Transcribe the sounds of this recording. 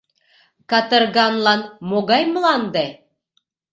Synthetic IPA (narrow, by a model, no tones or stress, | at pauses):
kɑt̪ɤɾɡɑnlˠɑnmoɡɑjm̆lˠɑnd̪e